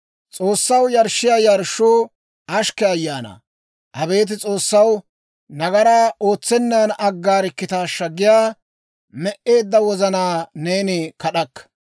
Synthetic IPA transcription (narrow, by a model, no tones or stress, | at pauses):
t͡sʼo̞ːsːɐwjɐɾʃːɪjaːjɐɾʃuː | ʔɐʃkɛɐjːaːnɐ̰ | ʔɐbe̞ːt̪̬ɪt͡sʼo̞ːsːɐw | nɐɡɐɾaːʔoːt͡sːɛnːanɐɡːaːɾɪkːɪt̪aːʃːɐɡɪjaː | mɛʔe̞ːd̪ːɐwɔzɐnaːne̞ːnɪkɐɗɐkːɐ̥